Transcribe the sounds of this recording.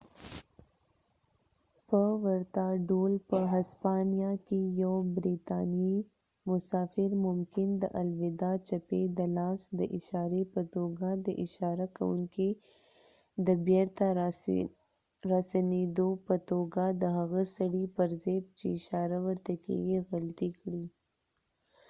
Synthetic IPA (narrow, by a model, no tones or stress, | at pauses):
pəwəɾt̪aɖolpəɦaspɑnijakejawbɾit̪ɑnji | mʊsɑfɪɾmʊmkɪnd̪ə̰ʔalwɪd̪ɑt͡ʃaped̪əlɑsd̪əʔɪʃɑɾepət̪oɡad̪əʔɪʃɑɾaka̰wṵŋki | d̪əbeɾt̪a | ɾasaned̪opət̪oɡad̪əɦaɣasaɽipəɾzeb̚t͡ʃeʃɑɾawəɾt̪akḛɡiɣalt̪ikɽi